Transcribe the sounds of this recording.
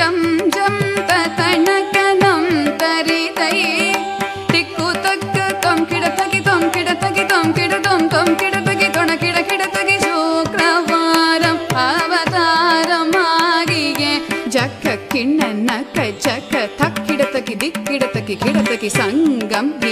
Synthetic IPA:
t̪ɐmd͡ʒɐmt̪ɐt̪ɐnɐkɐnɐmt̪ɐɾit̪ɐj | d̪̥ikːut̪ɐkːɐt̪omkiɽɐt̪ʰɐkit̪omkiɽɐt̪ʰɐkit̪omkiɽɐt̪omt̪omkiɽɐt̪ɐkit̪ɔɳɐkiɽɐkiɽɐt̪ɐkiʃukɾɐʋaɾɐmɐʋɐt̪aːɾɐmaːɡiɡed͡ʒɐkːɐkiɳːɐnɐkːɐd͡ʒɐkːɐt̪ʰɐkʰːiɽɐt̪ɐkid̪ikːiɽɐt̪ɐkːikʰiɽɐt̪ɐkisɐŋɡɐmɡi

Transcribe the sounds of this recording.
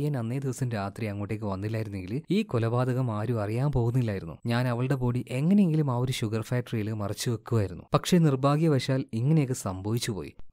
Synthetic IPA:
jɐnɐnːeːd̪iʋɐsɐnɾaːt̪riɐŋːoːʈːe̞ːk̬ːɨʋɐnːilːaːjiɾunːe̞ŋɡiliːkolɐbaːd̪ɐɣɐmaːɾuɐrijaːmpo̞ːɣunːilːaːjiɾunːṵɲaːnɐʋɐɭɨɽe̞po̞ːɽiʔe̞ŋːɐneje̞ŋɡilumaːo̞ɾuɕuɡɐrfaːʈːɐrijilɨmɐrɐt͡ɕːuʋekːuʋaːjiɾunːṵpɐkʂe̞nirbʱaːɡijɐʋɐʂaːliŋːɐnejekːɨsɐmbʱɐʋit͡ɕːupo̰ːjḭ

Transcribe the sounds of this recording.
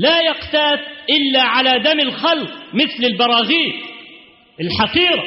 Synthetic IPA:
laːjɑqt̪aːt̪ʔɪlːaʕalaːd̪amɪlxalqmɪθlɪlbɑɾˤɑːɣiː | ɪlħɑqiːɾa

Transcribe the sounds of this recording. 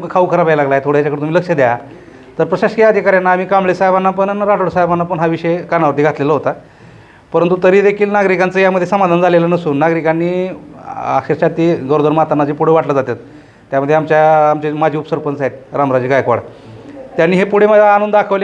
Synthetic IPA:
umkəkʰaʋukʰəɾapailaɡlaet̪ʰoɽ̤əjat͡ɕakəɽet̪umiləkʂəd̪jaja | t̪əɾpɾəɕaɕkjaəd̪ʱikaɾjanːaːmiːkamɭesaɦebanːapənanɾaʈoɽsaɦebanːapəɳɦaʋiɕekanaʋəɾt̪̬iːɡʱat̪leləɦot̪a | pəɾənt̪ut̪əɾiːd̪ekʰiːlnaɡɾikant͡səjaməd̪ʱːjesəmad̪ʱand͡zalelənəsuːnːaɡɾikanːiː | a̰kʂeɾɕat̪iɡəɾod̪əɾmat̪anːad͡ʑepuɽeʋaʈləd͡zat̪jat̪ː | jaməd̪ʱjeamt͡ɕjaamt͡ɕemad͡ʑʱiːupsəɾpənsaɦit̪̚ɾamɾad͡ʑɡajkʋa̰ɽt̪janːiːɦepuɽ̤eməd͡zaːñuːnd̪akʰəʋl

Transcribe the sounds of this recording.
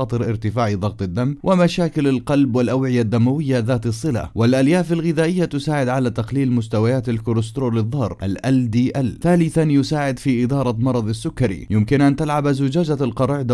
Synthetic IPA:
ɑːt̪ˤɨɾʔɪɾt̪ɪfaːʕiðˤɑɣt̪ˤɪd̪ːamːwʔɪmaʃaːkɪlalqɑlbwɪlʔawʕɪjad̪ːamawɪjːaðaːt̪ɨsˤːɨla̰wɪlʔaljaːfalɣɪðaːʔɪjːat̪ʊsaːʕɪd̪ʕalat̪aqliːlmʊst̪awajaːt̪alkʊɾɪst̪ɾoːlɪðˤːɑːɾˤʔalʔald̪iːʔalθaːlɪθanjʊsaːʕɪd̪fiːʔɪd̪ɑːɾˤɑmɑɾˤɑðˤɑsːʊkːaɾḭjʊmkɪnʔant̪alʕabazʊd͡ʒaːd͡ʒalqɑɾˤɑʕd̪

